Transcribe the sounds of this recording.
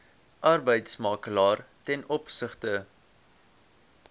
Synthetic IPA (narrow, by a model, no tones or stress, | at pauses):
ʔɐrbəjtsmɑːkəlɑːrtɛnɔpsəχtə